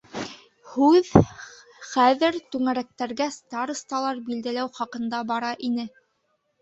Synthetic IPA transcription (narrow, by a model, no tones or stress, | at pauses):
hʉð | χæðɘɾt̪ʉŋæɾæk̚t̪æɾɡæst̪ɑɾɤ̆st̪ɑlˠɑɾbild̪ælæwχɑqɤ̆nd̪ɑbɑɾɑʔinɘ